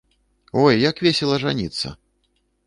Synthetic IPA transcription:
ɔjːakvʲesʲɛlˠɐʐa̰nʲit̪sːɐ̰

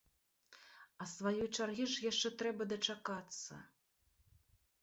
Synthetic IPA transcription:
ɐsvajɔjt͡ʂarɣʲiʐjaʂt͡ʂɛt̪ɾɛbɐd̪ɐt͡ʂakat̪sːɐ̰

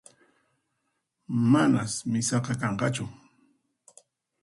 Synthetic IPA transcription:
manasmɪsɑqɑkɑɴqɑt͡ʃʊ

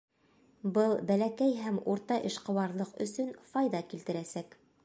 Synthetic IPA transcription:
bɤlˠbælækæjɦæmuɾt̪ɑʔɘ̆ʃqɤ̆wɑɾlˠɤqɵ̰̆sɵnfɑjðɑkilt̪ɘ̆ɾæsæk

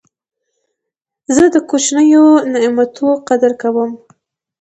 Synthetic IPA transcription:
zəd̪əkot͡ʃnəjonɪmat̪ʰoqad̪əɾkawəm

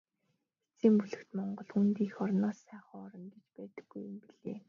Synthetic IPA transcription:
xet͡siːmpuɮɘ̆xt̪mɔɴɢɞ̆ɮxunt̪iːxɔɾnɔːsːæːχɔːɔɾɞ̆nt̪ĕt͡ɕpæːt̪ə̥̆ɡːujʊmpiɮḛː

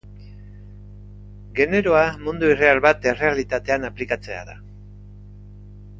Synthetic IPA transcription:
ɡe̞ne̞ɾo̞amund̪uire̞alβat̪e̞re̞alit̪at̪e̞anaplikat͡se̞a̰ða̰

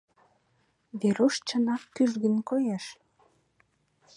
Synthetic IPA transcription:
βeɾoʃt͡ɕənɑkkyʒɣə̆nkojeʃ

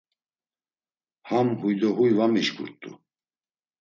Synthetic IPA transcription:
hamhujd̪ɔɦujvamiʃɡṵɾt̪ʼṵ

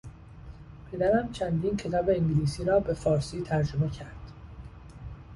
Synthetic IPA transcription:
pʰe̞d̪æɾæmt͡ʃʰænd̪iːnkʰet̪ʰæveiŋɟliːsiːɾɒːbe̞fɒːɾsiːt̪ʰæɾd͡ʒome̞cʰæɾd̪̥

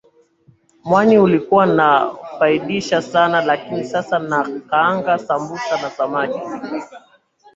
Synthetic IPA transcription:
mwaniulikuwanafaiɗiʃasanalakinisasanakaaŋɡasambusanasamaɗi

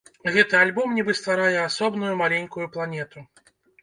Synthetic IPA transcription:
ɣɛt̪ɨalʲbɔmnʲibɨst̪vaɾajɛasɔbnujumalʲenʲkujuplˠanʲɛt̪u

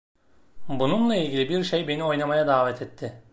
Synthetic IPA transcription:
bununlˠailʲɟʲilʲibiɾʃejbe̞nio̞jnamajad̪aːvɛt̪ʰɛt̪ʰːɪ

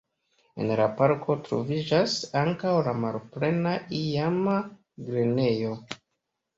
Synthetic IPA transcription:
e̞̰nlapaɾkʰo̞tɾo̞̰vid͡ʒasaŋkawlamalple̞naijama | ɡɾene̞jo̞

